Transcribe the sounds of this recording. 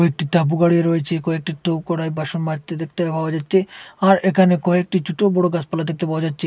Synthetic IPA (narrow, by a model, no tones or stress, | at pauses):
ek̚ʈit̪ap̬uɡaɽieɾojet͡ɕʰekɔek̚ʈiʈob̚kɔɽajbaʃonmat̪ːed̪ek̚ʰt̪eapaoad͡ʑatːɕʰeaɾekʰanekɔek̚ʈid͡ʑuʈobɔɽoɡat͡ɕpalad̪ek̚t̪epawad͡ʑatːɕʰe